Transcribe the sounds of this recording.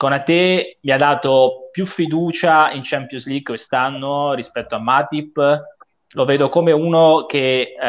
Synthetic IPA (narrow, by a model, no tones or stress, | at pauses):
konat̪ːemiad̪ːaːt̪opjufːid̪uːt͡ʃaint͡ʃɛmpjozliɡkwest̪anːoɾispɛt̪ːoamːaːt̪ipː | loveːd̪okomeuːnok̟e